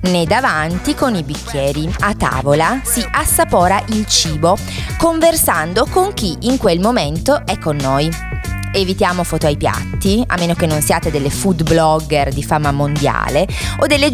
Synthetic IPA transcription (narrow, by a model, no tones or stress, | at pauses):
ned̪avant̪ikonibikʰʲːjɛːɾiat̪ːa̰ːvolasiʔasːapɔːɾaʔilt͡ʃiːbo | koɱversand̪okoŋk̟iiŋkwelmoment̪oʔɛkːonːoj | evit̪jaːmofɔːt̪oajpja̰t̪ːia̰mːeːnokenːonsiaːt̪ed̪elːefud̪blɔɡerd̪ifamːamond̪ja̰ːleod̪ːelːe